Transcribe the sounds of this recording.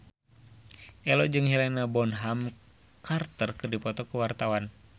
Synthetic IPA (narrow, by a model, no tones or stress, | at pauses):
ʔɛlɔd͡ʒɨŋɦilɛnabɔnɦam | kʰart̪ərkɨrdipɔt̪ɔkuwart̪awan